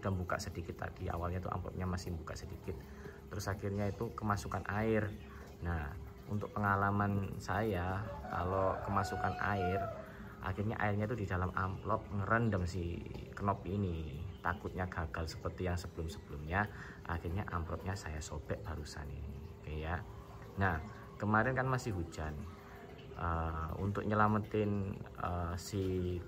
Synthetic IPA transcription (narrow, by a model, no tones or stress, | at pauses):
d̥anbuka̰ʔsədikɪt̪ːa̰d̥ia̰walɲat̪uʔa̰mplɔ̰p̪̚ɲamasɪhmbuka̰ʔsədikɪt̪̚ː | əɾʊsakirɲait̪ukəmasukanʔaɪr | na | ṵnt̪ʊk̚pəŋalamansajaka̰lokəmasukanʔa̰ɪr | ʔa̰xirɲa̰ʔa̰ɪrɲait̪udidalamamplɔp̚ŋəɾəndəmsɪhkənɔpinit̪akʊt̪̚ɲaɡ̥aɡ̥alsə̥pərt̪ijaŋsəb̥əlʊmsəb̥əlʊmɲa | ʔa̰xɪrɲaʔa̰mplɔp̪̚ɲasajasob̥ɛʔb̥aɾusa̰ninikəja | nah | kəmaɾɪnkanmasɪhɦu̥d͡ʒan | ʔəṵnt̪ʊk̚ɲəlamət̪ɪnəsɪh